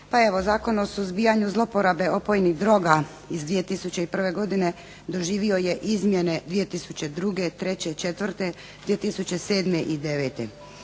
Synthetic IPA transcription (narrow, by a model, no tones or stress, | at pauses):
pae̞ʋo̞zaːko̞nosuzbijaɲuzlˠo̞po̞ɾabe̞ʔo̞po̞jniɣd̪ɾo̞ɡa | izd̪ʋije̞t̪isut͡ɕe̞ipr̩ʋe̞ɡo̞d̪ine̞ | d̪o̞ʒiːʋio̞je̞ʔizmjene̞d̪ʋije̞t̪isut͡ɕe̞d̪ɾuɡe̞t̪ɾe̞t͡ɕe̞t͡ʃe̞t̪ʋrt̪e̞ | d̪ije̞t̪isut͡ɕe̞se̞ːd̪me̞ʔid̪e̞ʋeːt̪ḛ